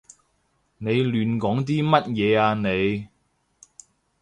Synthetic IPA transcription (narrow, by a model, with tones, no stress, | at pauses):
ne˨˧jlyː˨˧nkɔː˨˥ŋt̪̬iː˥mɐ˥t̚jɛː˨˧aː˧ne˨˧j